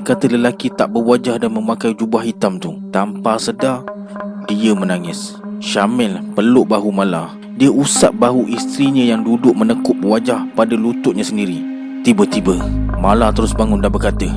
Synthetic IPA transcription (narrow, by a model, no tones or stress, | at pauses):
kat̪ələlakit̪aʔbəwad͡ʒahdanməmakajd͡ʒubaɦit̪amt̪ut̪ampasəda | diəmənaŋɪs | ʃamɛlpəlʊʔbaɦumala | diəʔusaʔ̚baɦuʔist̪ɾiɲə̃jaŋdudʊʔ̚mənəkʊʔ̚bəwad͡ʒahpadəlut̪ʊʔɲəsəndiɾi | t̪ibət̪ibəmalat̪əɾʊsbaŋʊndabərkat̪ə